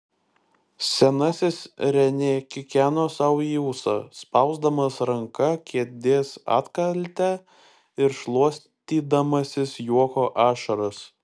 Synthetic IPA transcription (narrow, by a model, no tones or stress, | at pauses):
sʲɛnɐsʲɪsɾʲɛnʲeːkʲɪkʲæːnoːsɐʊjuːsɐspɐʊzd̪ɐmɐsɾɐŋkɐkʲiɛd̪ʲeːsɑ̰ːt̪kɐlʲt̪ʲæ | ɪɾʃlˠuɔsʲ | t̪ʲiːd̪ɐmɐsʲɪsjuɔkoːʔɑːʃɐɾɐs